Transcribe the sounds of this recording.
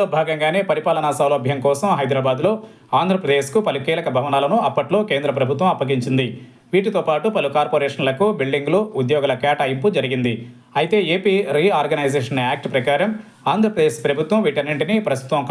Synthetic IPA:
oːbʱaːɡɐŋɡaːne̞ːpɐɾipaːlɐnasɐwloːɐbʱjɐmkɔːsɐmɦɐjd̪ɾaːbaːd̪lo̞ː | aːnd̪ʱɾɐpɾɐd̪eːʃkupɐlukiːlɐkɐbʱɐʋɐnaːlɐnuɐpːɐʈlo̞ːke̞ːnd̪ɾɐpɾɐbʱut̪ʋɐmɐpːɐɡiɲt͡ʃind̪i | ʋiːʈit̪oːpaːʈupɐlukaːɾpoːɾɛːʂɐnlɐkubilɖiŋɡloːud̪jɔːɡɐlɐkaːʈaːjimpud͡ʒɐɾiɡind̪i | ɐjit̪e̞ːeːpiːɾiaːɾɡɐnɐjzeːʂɐnjaːk̚ʈpɾɐkaːɾɐm | aːnd̪ʱɾɐpɾɐd̪eːʃpɾɐbʱut̪ʋɐmʋiʈɐneɳʈinipɾɐst̪u̥t̪ʋɐmk

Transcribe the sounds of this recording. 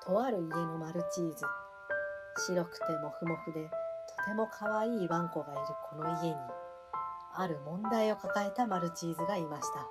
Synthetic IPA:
t̪ʰo̞βaɾɯ̟ie̞no̞maɾɯ̟t͡ɕiːzɨ | ɕiɾo̞kɯ̟̥t̪e̞mo̞kɯ̟mo̞kɯ̟d̪e̞t̪ʰo̞̥t̪e̞mo̞kʰaβaiːβãŋko̞ɡaiɾɯ̟kʰo̞no̞ie̞ɲ̟i | aɾɯ̟mõ̞nd̪aio̞kakae̞t̪amaɾɯ̟t͡ɕiːzɨɡaimaɕi̥t̪a

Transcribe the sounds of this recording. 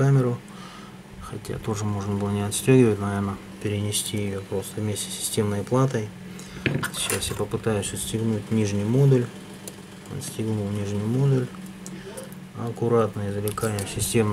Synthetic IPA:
amʲɪɾʊ | xɐtʲa̰t̪o̞ʐɨmo̞ʐnəbɨlˠənʲɪɐt̪sʲtʲoɡʲɪvətʲnɐvʲe̞rnə | pʲɪɾʲɪnʲɪsʲt̪ʲijɪjopɾo̞st̪əvmʲesʲtʲɪ̥sʲɪ̥sʲtʲe̞mnəjplˠat̪əj | ɕasʲjəpəpɨt̪ajʉsʲəsʲtʲɪɡnutʲnʲiʐnʲʊjmo̞d̪ʊlʲ | ɐ̰t̪sʲtʲɪɡnulˠnʲiʐnʲʊjmo̞d̪ʊlʲ | ɐkʊɾat̪nɨjɪzəlʲɪkanʲɪjəsʲɪsʲtʲe̞m

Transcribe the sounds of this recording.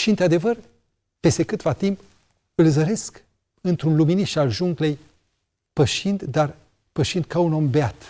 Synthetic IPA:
ʃiɨnt̪ɾad̪evər | pe̞st̪e̞kɨt̪vat̪imp | ɨlzəɾe̞sk | ɨnt̪ɾunluminiʃt̪alʒuŋɡle̞j | pəʃind̪d̪ar | pəʃind̪̚kauno̞mbeat̪

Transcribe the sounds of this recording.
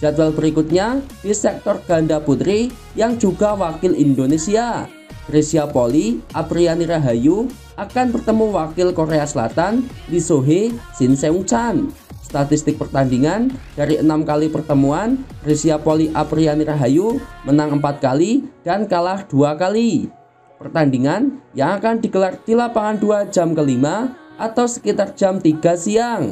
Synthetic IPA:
d͡ʒ̥ad̪walbəɾikut̪̚ɲad̥isɛk̚t̪ɔrɡ̥andaput̪ɾi | jaŋd͡ʒuɡawakɪlindonesia | ɾesiapoliʔapɾianiɾaɦaju | akanbərt̪əmuwakɪlkoɾeasəla̰t̪anlisoɦesɪnseuŋt͡ʃan | st̪at̪ɪst̪ɪk̚pərt̪andiŋand̥aɾiʔənamkalipərt̪əmuan | risiapoliʔapɾianiɾaɦajumənaŋəmpat̪̚kalid̥ankalahd̥uakali | pərt̪andiŋanjaŋakandiɡəlart̪ilapaŋanduad͡ʒa̤mkəlimaʔat̪awsə̥kit̪ar̥d͡ʒamt̪iɡ̥a̤siaŋ

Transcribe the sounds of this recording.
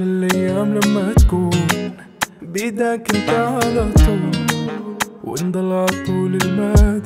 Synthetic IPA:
ɪlʔajːaːmlamːat̪ḁkuːn | bɪd̪akɪnt̪aʕalat̪ˤuːl | wɪ̰nd̪ˤɑlːʕɑt̪ˤuːlɪlmaːd̪

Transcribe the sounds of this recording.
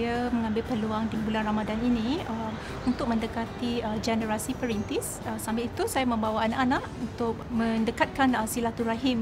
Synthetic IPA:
jamə̃ŋãmbɪlpəluaŋdibulanramadaninĩəm | unt̪ʊk̚mə̃ndəkat̪iəd͡ʒɛnəɾasipəɾint̪is | əsambɪlit̪usajamə̃mbawaanãʔanaʔunt̪ʊk̚mə̃ndəkat̪̚kanəsilat̪uɾaɦim

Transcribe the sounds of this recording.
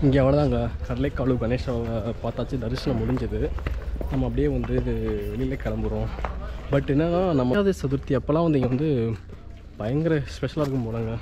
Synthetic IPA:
ɪŋɡeɐʋɐɭɐt̪ãːŋɡɐkɐɾɐleːkːaːɭɯɡɐneːʂapaːɾt̪aːt͡ʃːɯd̪ɐɾɪsɐnɐ̃mʊɽɪɲd͡ʒɐðɯnɐmːɐp̬ːɐɽɪjeːʋɐnd̪ɯɪðɯʋɛɭɪlɐkɐɭɐmbɯɾõːbɐʈːɪnːaːnãːnɐmːɐaːðɐsɐðʊɾt̪ːɪɐpːɐlãːʋɐnd̪ɯɪŋɡɐʋɐnd̪ɯ | pɐjɐŋɡɐɾɐspɛʃʂɐlaːɪɾɯkːɯmpoːɽɐːŋɡɐ

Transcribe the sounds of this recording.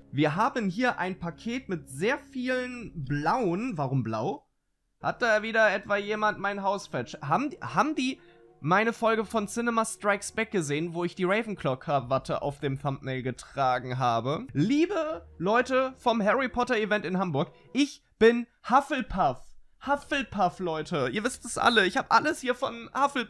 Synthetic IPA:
viːɐɦaːbənɦiːɐʔaɪnpʰakʰeːtmɪtz̥eːɐfiːlənblaʊənvaʁʊmblaʊ | ha̰t̚d̥aːviːdɐʔɛtv̥aːjeːmantmaɪnɦaʊsfɛt͡ʃhaːbm̩haːbm̩diː | maɪnəfɔlɡəfɔnsɪnɛmastʁ̥aɪksb̥ɛk̚ɡ̥əzeːənvoːɪçd̥iːʁɛɪvn̩kʰlɔkʰaɐvatʰəʔa̰ʊfd̥eːmθampmɛɪlɡətʁ̥aːɡŋ̩ɦaːbəliːbəlɔʏtəfɔmɦɛʁipʰɔtɐɪvɛntɪnhɦambʊɐk | ʔɪç | b̥ɪnhafl̩pʰaf | hafl̩pʰaflɔʏtʰəʔiːɐvɪst̚d̥asʔa̰ləɪçhaːbəʔaləshiːɐfɔnhafl̩

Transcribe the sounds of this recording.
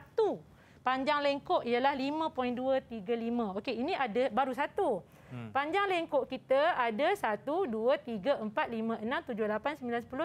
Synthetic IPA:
at̪u | paɲd͡ʒaŋlɛŋkoʔijalahlimə̃pɔinduət̪iɡalimə̃okeinĩʔadabaɾusat̪u | paɲd͡ʒaŋlɛŋkoʔkit̪əadasat̪uduət̪iɡaʔəmpat̪̚limə̃ənãmt̪ud͡ʒʊhlapansəmbilansəpulʊ

